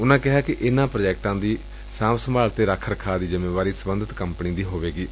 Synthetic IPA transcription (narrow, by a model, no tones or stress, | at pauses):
ʊnãːkɪɦaːkɪʔɪnãːpɾoːd͡ʒɛːk̚ʈãːd̪iː | sãːmsəmaːlt̪eːɾakʰːəɾəkʰaːd̪iːzɪmẽːʋaːɾiːsəbənd̪ʱət̪kəmpniːd̪iːɦoːʋeːɡiː